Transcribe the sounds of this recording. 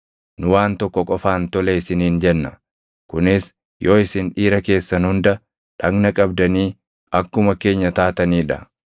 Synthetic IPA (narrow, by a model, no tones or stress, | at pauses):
nʊwaːnt̪ɔkːɔkʼɔfaːnt̪ɔleɪsɪniːnd͡ʒɛnːɐ | kʊnɪs | jo̞ːɪsɪnᶑiːɾɐke̞ːsːɐnhʊnd̪ɐ | ᶑɐɡnɐkʼɐbd̪ɐniː | ɐkːʊmɐke̞ːɲːɐt̪aːt̪ɐniːᶑɐ